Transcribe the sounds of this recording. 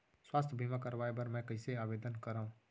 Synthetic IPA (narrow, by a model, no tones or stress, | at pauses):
swaːst̪ʰbʱimãkəɾʋaːebəɾmɛ̃kɐɪseaːbeːd̪ənkəɾaːũː